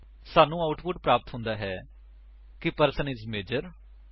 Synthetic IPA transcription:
saːnũːaːʊʈpʊʈ̚pɾaːpət̪ɦʊ̃nd̪aːɦɛː | kɪpəɾsənɪzmeːd͡ʒəɾ

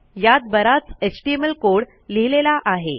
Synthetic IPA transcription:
jat̪̚bəɾat͡set͡ɕʈieməlkoɽ | liɦlelaʔaɦḛ

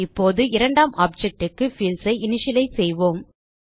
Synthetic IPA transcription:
ɪpːoːðɯɪɾɐɳɖaːmʔaːp̚d͡ʒɛk̚ʈɯkːɯfiːlsɐɪɪnɪʂɪlɐɪsɛjʋoːm

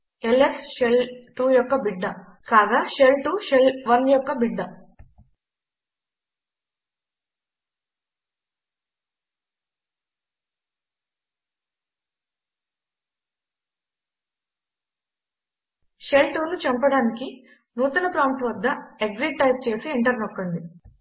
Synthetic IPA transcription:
elesʃelʈuːjɔkːɐbiɖːɐ | kaːɡ̪aːʃelʈuːʃelʋɐnjɔkːɐbiɖːɐ | ʃelʈuːnut͡ʃɐmpɐɽaːniki | nuːt̪ɐnɐpɾaːmʈʋɐd̪ːɐeɡziɖ̚ʈɐjp̚t͡ʃe̞ːsieɳʈɐɾnɔkːɐɳɖi

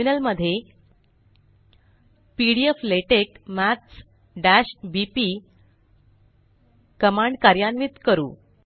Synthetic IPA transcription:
inəlməd̪ʱːje | piɽiefleʈekmæts | ɖæɕbipiː | kəmaɳɖkaɾjanʋit̪kəɾṵː

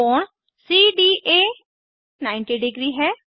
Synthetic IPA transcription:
ɔːɳ | siːɖiːʔeː | naːɪnʈiːɖɪɡɾiːɦɛː

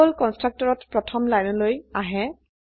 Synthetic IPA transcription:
ɔlkɔnstɹak̚tɔɹɔtpɹɔtʰɔmlajnɔlojaɦɛ

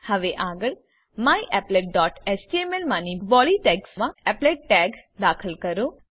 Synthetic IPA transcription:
həʋeʔaɡəɭ | mãiʔɛpleʈ̚ɖɔːʈɛsʈiemelmãniʋɔliʈɛɡsmãɛpleʈ̚ʈɛɡd̪aːkʰəlkəɾo

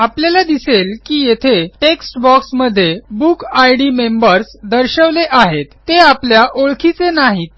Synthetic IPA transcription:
apljalad̪iselkiːjet̪ʰeʈeksʈbɔksməd̪ʱːjebukajɽimembəɾsd̪əɾɕəʋleʔaɦet̪ːeapljaʔoɭkʰit͡senaɦit̪

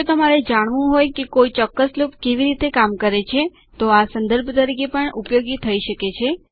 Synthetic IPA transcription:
ot̪əmaɾed͡ʒaɽ̃ʋũɦojkekoit͡ʃɔkːəslopkeʋiɾit̪ekamkəɾet͡ʃʰe | t̪oasənd̪əɾbʱt̪əɾikepəɳupjoɡit̪ʰəiʃəket͡ʃʰe

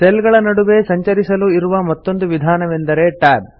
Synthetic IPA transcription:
selɡɐɭɐnɐɽuʋe̞sɐɲt͡ʃɐɾisɐluiɾuʋɐmɐt̪ːo̞nd̪uʋid̪ʱaːnɐʋend̪ɐɾe̞ʈaːd̚

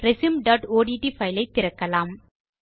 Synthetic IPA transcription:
ɾɛsimɖɐːʈoːɽiʈifɐɪlɐɪt̪ːɪɾɐkːɐlaːm

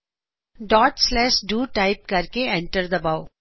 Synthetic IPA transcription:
ɖɔːʈslɛːʃɖuːʈaɪp̚kɐɾkeɛ̃ɳʈəɾd̪ɐbaːʊ

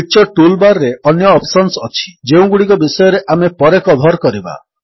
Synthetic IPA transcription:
t͡ʃɔʈulbaɾːeɔnjɔːpsɔnsɔt͡ʃʰi̥d͡ʒeũɡuɽikɔbisɔjɔɾeʔamepɔɾekɔb̪ʱɔɾkɔɾiba̰

